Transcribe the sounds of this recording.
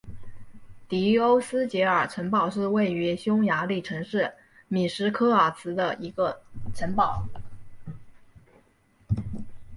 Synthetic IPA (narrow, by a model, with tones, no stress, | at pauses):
t̪i˧˥o˥ʊsɹ̩˥t͡ɕjɛ˧˥ə˞˨˩ʈ͡ʂʰə˧˥ŋpɑ˥˩ʊʂɻ̩˥˧we˥˩ɪy˧˥ɕjʊ˥ŋja˧˥li˥˩ʈ͡ʂʰɤ˧˥ŋʂɻ̩˥˩ | mi˨˩ʂɻ̩˧˥kʰɤ˥ə˞˨˩sʰɹ̩˥d̪ə˧i˧˥ɡə˧ʈ͡ʂʰə˧˥npɑ˨˩˦ʊ